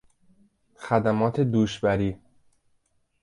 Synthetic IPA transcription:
xæd̪æmɒːt̪ʰed̪uːʃbæɾiː

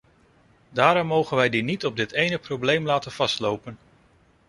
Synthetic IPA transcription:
daːɾɔmːowχənʋɛjdinitɔb̚dɪtejnəprowblejmlaːtənv̥ɑstlowpən

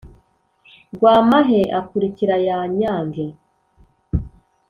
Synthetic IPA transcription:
ɡwaːmaɦeʔakuɾiciɾajaɲaːŋɡe

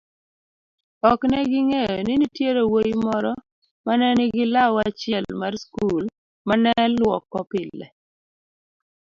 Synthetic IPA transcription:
ɔknɛɡɪŋejɔnɪnitjeɾowojimɔɾɔ | manɛnɪɡɪlawat͡ʃɪɛlmarskul | manɛlwɔkːɔpɪllːɛ̰

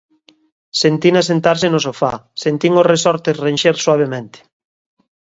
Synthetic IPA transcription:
sent̪inasent̪aɾsenosofa̰sent̪iŋoresɔɾt̪esrenʃeɾswaβemẽnt̪e̥

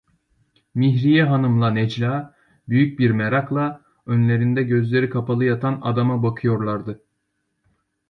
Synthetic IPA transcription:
miɦɾijɛɦanɯmlˠanɛd͡ʒlʲaː | byjyc̚biɾmɛɾaklˠa | ønlʲe̞ɾind̪ɛɟø̞zlʲe̞ɾikʰapʰalˠɯjat̪ʰana̰d̪amabakʰɯjo̞ɾlˠaɾd̪ɯ

